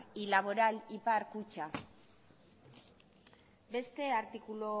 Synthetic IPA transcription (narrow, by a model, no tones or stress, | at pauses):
ilaβo̞ɾalipaɾkut͡ʃa | be̞st̪e̞aɾt̪ikulo